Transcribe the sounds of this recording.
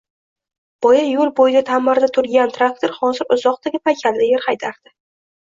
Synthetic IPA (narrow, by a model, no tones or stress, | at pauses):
b̥ɒjajolˠbojɪd̪at̪ʰamːaɾd̪at̪ʰʊɾɡʲant̪ʰɾak̚t̪ʰoɾχɒnzɪɾʊzɒq̚t̪ʰaɡʲɪpʰajkʲʰald̪ɪjɪɾχajt̪ʰaɾd̪̥ɪ